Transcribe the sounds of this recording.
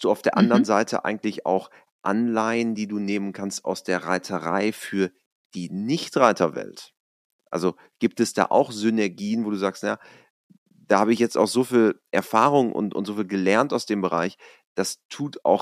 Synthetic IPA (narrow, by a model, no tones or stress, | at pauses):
sd̥uːaʊfd̥eːɐʔa̰ndəʁənzaɪtʰə̰ʔa̰ɪɡŋ̩tlɪça̰ʊx | ʔa̰nlaɪəndiːduːneːmənkʰanstʔa̰ʊsd̥eːɐʁaɪtʰəʁa̰ɪfyːɐ | d̥iːnɪçtʁaɪtʰɐvɛ̰lt | ʔa̰lzo | ɡ̥iːp̚tɛsd̥a̰ːʔa̰ʊxz̥ʏnɛɐɡiːənvoːduːzaːkstnaja | d̥aːhaːbəɪçjɛt͡staʊxz̥oːfiːlʔɛɐfaːʁʊŋʔʊ̰ntʔʊ̰ntz̥oːfiːlɡəlɛɐntaʊsd̥eːmbəʁa̰ɪç | d̥astʰuːta̰ʊx